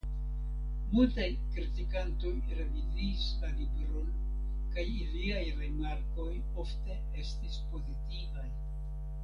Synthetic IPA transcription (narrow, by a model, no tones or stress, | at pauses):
multajkɾitikanto̞jɾe̞viziːslalibɾon | kajiliajɾimaɾko̞j | o̞fte̞ | e̞stispo̞zitivaj